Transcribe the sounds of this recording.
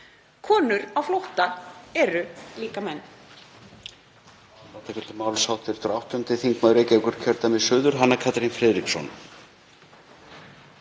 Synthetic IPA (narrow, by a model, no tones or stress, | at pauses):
kʰɔːnʏɾawflowht̪aɛɾʏliːkamɛnː | nat̪akʰɛlt̪ɪmaːwlsawht̪ɪɾt̪ɾawht̪ʏmt̪ɪθiŋkmaðɾeːcɛkʏɾ̥cʰœɾt̪amɪðsʏːðʏɾ̥ɦanːakʰat̪ɾinfɾɛːðɾiksɔn